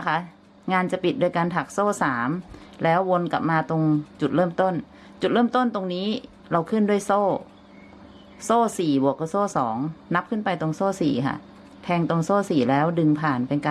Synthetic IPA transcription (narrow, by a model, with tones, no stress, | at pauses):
a˧kʰa˦˥ | ŋaː˧nt͡ɕa˨˩pi˨˩t̪̚du˧jka˧nt̪ʰa˨˩k̚soː˥˩saː˩˦mlɛː˦˥wːo˧nka̰˨˩p̚maː˧t̪o˧ŋt͡ɕu˨˩ɾɤː˥˩mt̪o˥˩n | t͡ɕu˨˩t̪̚ɾəɤː˥˩mt̪o˥˩nt̪o˧ŋniː˦˥ | ɾa˧wkʰɯ˥˩ndu˥˩əjsoː˥˩ | soː˥˩siː˨˩bu˨˩əkːɯː˧˩soː˥˩sɔ̰ː˩˦ŋna˦˥p̚kʰɯ˥˩npa˧jt̪o˧ŋsoː˥˩sḭː˨˩kʰa̰˧˩ʔ | t̪ʰɛː˧ŋt̪o˧ŋsoː˥˩siː˨˩lɛː˦˥wdɯ˧ŋpʰaː˨˩npe˧nka˧